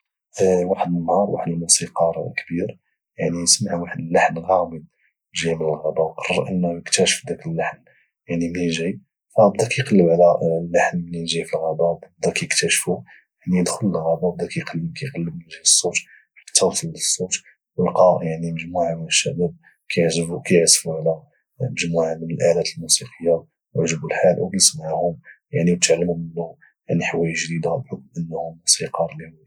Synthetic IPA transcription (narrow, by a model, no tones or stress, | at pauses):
waħəd̪ənːhɑɾˤwa̰ħəd̪əlmusiqɑɾˤkbiɾ | jaʕnijəsmaʕwaħəd̪əlːaħnɣɑməd̪̚ | ʒimələlɣæbæwqɑrˤːəɾʔənːæjəkt̪æʃə̥fd̪ækəlːaħn | jaʕnimniʒi | fæb̚d̪ækijqɑlːəbʕlælːaħnmniʒifilɣɑbæbb̚d̪ækjəkt̪æʃfu | jaʕnijəd̪xʊləlɣæbæb̚d̪ækæjqɑlːbkʰæjqɑlːəbməʒləsˤːut̪ | kt̪ːæwt̪ələsˤːut̪ | wəlqɑjaʕniməʒmuʕamənəʃːæbæb̚ | kæʕkæjʕsfuʕlæ | məʒmuʕamənəlʔalæt̪əlmusiqəjːa | ʕʒbulħalwkæjəsmaʕhʊmjaʕniwt̪əʕlləmnu | jaʕniħawːæjəʒd̪id̪abħʊk̚mʔənːhʊmusiqɑɾˤlih